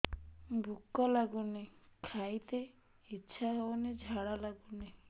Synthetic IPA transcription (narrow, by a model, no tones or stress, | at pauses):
bʱukːalaɡunekʰajt̪e | itːɕʰaɦoned͡ʑʱaɽalaɡune